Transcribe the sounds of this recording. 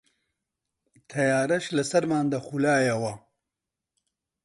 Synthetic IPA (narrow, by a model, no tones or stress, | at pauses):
t̪ʰɐjaːɾɐʃlɐsɐɾmaːnd̪ɐxulaːjɐwɐ